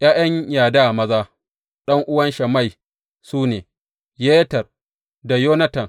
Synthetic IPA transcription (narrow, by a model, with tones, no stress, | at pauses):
j̰aː˦j̰ɐ˦ɲjaː˨daː˦˨mɐ˦zaː˦ | ɗɐ˦ŋʔʊ˦wɐ˦nʃɐ˨ma˦˨j | suː˦neː˨ | je˦tɐ˨r | da˨joː˦nɐ˦tɐ˨ŋ